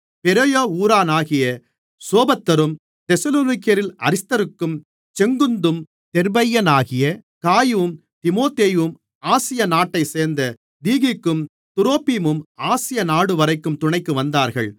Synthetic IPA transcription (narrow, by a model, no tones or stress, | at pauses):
pɛɾɐjoːuːɾaːnaːɣɪjɐ | soːbɐt̪ːɐɾɯm | t̪ɛsɐloːnɪkɪjɐɾɪlɐ̰ɾɪst̪ɐɾɯkːɯm | t͡ʃɛŋɡɯnd̪ɯm | t̪ɛɾbɐjːɐnaːɣɪjɐ | kaːjʋɯm | t̪ɪmoːt̪eːjɯm | aːsɪjɐnaːʈːɐɪseːɾnd̪ɐ | d̪iːɣɪkːɯm | t̪ʊɾoːpiːmɯmaːsɪjɐnaːɽɯʋɐɾɐɪkːɯmt̪ʊɳɐɪkːɯʋɐnd̪aːɾɣɐ̰ɭ